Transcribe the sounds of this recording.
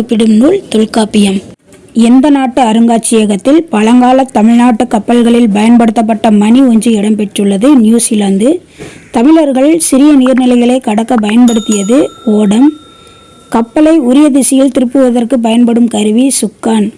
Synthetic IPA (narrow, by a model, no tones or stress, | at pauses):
pːɪɽɯmnuːɭt̪ɔɭkaːpːɪjɐm | ɛnd̪ɐnaːʈːɯɐɾɯŋɡaːt͡ʃːɪjɐɣɐt̪ːɪlpɐlɐŋɡaːlɐt̪ːɐmɪɻnaːʈːɯkːɐpːɐlɣɐɭɪlbɐjɐnpɐɽɯt̪ːɐp̬ːɐʈːɐmɐniɔɲd͡ʒiɪɽɐmpɛʈrɯɭːɐðɯnjuːsɪlaːnd̪ɯ | t̪ɐmɪɭɐɾɣɐɭsɪɾɪjɐniːɾnɪlɐɪɣɐɭɐɪkɐɽɐkːɐp̬ɐjɐnpɐɽɯt̪ːɪjɐðɯoːɽɐm | kɐpːɐlɐɪʊɾɪjɐðɪsɪjɪlt̪ɪɾɯpːɯʋɐðɐrkɯp̬ɐjɐnpɐɽɯmkɐɾɯʋisʊkːaːn